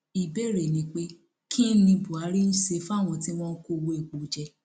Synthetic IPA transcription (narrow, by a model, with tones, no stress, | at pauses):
i˨be˦˨ɾe˨nĩ˨˦k͡pe˦ | kʰĩ˦n̩˦lĩ˧bu˨a˨˦ɾi˦n̩˦se˧˦fa˦˨w̃ɔ̃˧ti˦w̃ɔ̃˦ko˦˨wo˧e˨ɡ͡bo˨d͡ʒɛ˧